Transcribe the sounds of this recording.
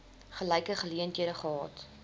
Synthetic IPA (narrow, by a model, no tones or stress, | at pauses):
χəlɛjkəχəliəntiəɾəχəɦɑːt